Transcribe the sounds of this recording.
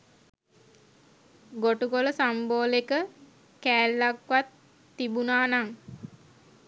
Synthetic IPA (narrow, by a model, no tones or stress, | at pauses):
ɡoʈukoləsamboːlekə | kæːlːakʋat̪ː | ibunaːnaŋ